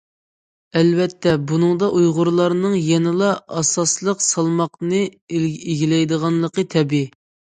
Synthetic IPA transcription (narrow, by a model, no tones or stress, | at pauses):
ɛlvɛt̪ʰːɛbunɨŋd̪ɑʔujʁʊɾlˠɑɾnɨŋjɛnɪlˠɑɑsɑslˠəqsɑlˠmɑqnɨeɡʲilɛjd̪əʁɑnlˠəqʰət̪ʰɛbɪ